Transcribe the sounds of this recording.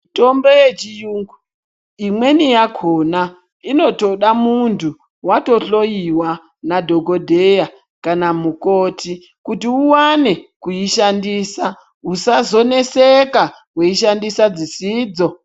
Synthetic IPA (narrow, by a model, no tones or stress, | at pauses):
to̞mbo̞jet͡ʃijuːŋɡu | imwe̞nijakʰo̞na | ino̞to̞ɗamuntʰu | wato̞ɬo̞jiwa | nadʱo̞ɡʱo̞dʱeja | kanamuko̞ːtʰi | kutiuwane̞kujiʃandiːsa | usazo̞ne̞seka | kweiʃandisad͡zisiːd͡zo̞